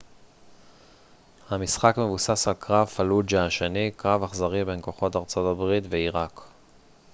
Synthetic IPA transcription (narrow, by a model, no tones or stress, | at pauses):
hamisχakme̞vusasalkʁavfalud͡ʒaʃenikʁavaχzaʁibe̞nko̞χo̞taʁt͡so̞tabʁit̪veiʁak